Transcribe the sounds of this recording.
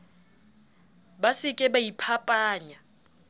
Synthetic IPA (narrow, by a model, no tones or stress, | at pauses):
basikʼɛɓajipʰapʼaːɲa